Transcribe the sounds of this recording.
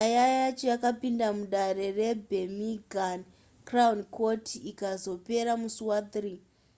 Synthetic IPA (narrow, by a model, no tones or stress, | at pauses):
ajajajat͡ʃo̞jakapindamuɗaɾe̞re̞bʱemiɡʱan | kraunko̞tʰiikazo̞pe̞ɾamusuwat̪riː